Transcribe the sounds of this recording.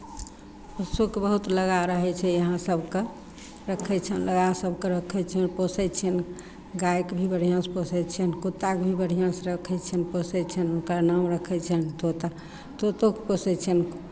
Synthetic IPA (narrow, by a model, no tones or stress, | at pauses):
pəsukebəɦut̪ləɡaɾəɦɛt͡ʃʰɛjəɦãsəbʱke | ɾəkʰɛt͡ʃʰənləɡasəbʱkeɾəkʰɛt͡ʃʰɛnposɛt͡ʃʰən | ɡajkbʱibəɽ̤ijãsposɛt͡ʃʰənkut̪ːakbʱibəɽ̤ijãsɾəkʰɛt͡ʃʰɛnposɛt͡ʃʰɛnunkɾanamɾəkʰɛt͡ʃʰənt̪ot̪a | t̪ot̪okeposɛt͡ʃʰən